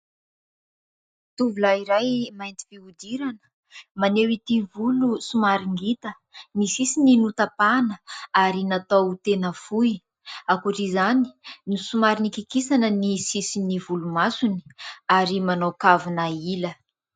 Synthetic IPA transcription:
t̪uvulaiɾajmajnt̪i̥viud̪iɾanə̥ | manewit̪ivulusumaɾiŋɡit̪ə | nisisininut̪apanəaɾinat̪owt̪enəfuj | akuʈ͡ʂizani̥nusumaɾinikikisanənisisinivulumasuni̥aɾimanowkavunailə

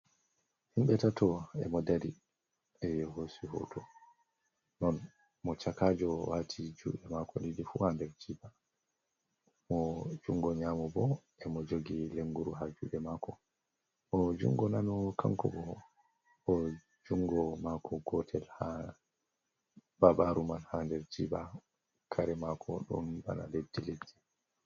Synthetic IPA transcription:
himɓɛtatʰɔɛ̰mɔdaɾi | ɛjɦosuɦɔ̰tʰɔ | nɔn | mɔt͡ʃakaːd͡ʒɔwaːtʰid͡ʒṵːɓɛmakɔnidifuhandɛɾd͡ʒiba | mɔd͡ʒuŋɡɔɲaːmɔbɔ | ɛmɔd͡ʒoɡileŋɡuɾuɦad͡ʒṵɗɛmakɔ | mɔd͡ʒṵŋɡɔnanɔkʰa̰ŋkɔbɔ | ɔ | d͡ʒuŋɡɔmakʰɔɡɔtʰɛlha | baɓaɾumanhandɛɾd͡ʒiba | kʰaɾɛmakʰɔɗɔ̰nba̰na̰ledːiledːi̥

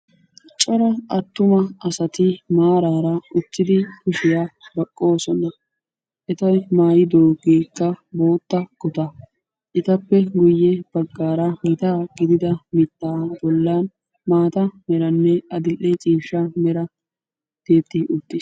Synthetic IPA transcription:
t͡ʃʼɔɾɐʔɐt̪ːʊmɐɐsɐt̪ɪmaːɾaːɾɐʊt̪ːɪd̪ɪkʊʃɪjaːbɐkʼːo̞ːsɔnɐ | ʔɛt̪ɐjmaːjɪd̪oːɡeːkːɐbo̞ːt̪ːɐɡ̥ʊt̪ɐ | ʔɪt̪ɐpːɛɡʊjːɛb̥ɐɡːaːɾɐmɪt̪aːɡɪd̪ɪd̪ɐmɪt̪ːaːbɔlːaːn | maːt̪ɐmɛɾɐnːɛɐd̪ɪlːɛt͡ʃʼiːʃːɐmɛɾɐ | d̪̥e̞ːt̪ːɪʊt̪ːɪs

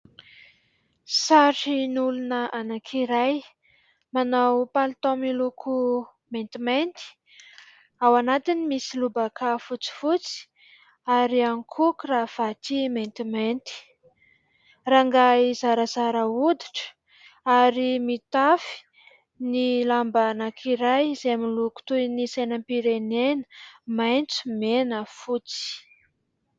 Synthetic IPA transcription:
saʈ͡ʂinulunəʔanakʰiɾaj | manawpalt̪omilukʰu | ment̪iment̪i̥ | awanat̪inimisilubakʰafut͡si̥fut͡si̥ | aɾiaŋkʰukurav̥at̪iment̪iment̪i̥ | raŋɡaizaɾəzaɾəud̪iʈ͡ʂə̥ | aɾimit̪afi̥ | nilambanakʰiɾajzeamiluku̥t̪ujinisajnəmpiɾenenə̥majnt͡su̥menəfut͡si̥

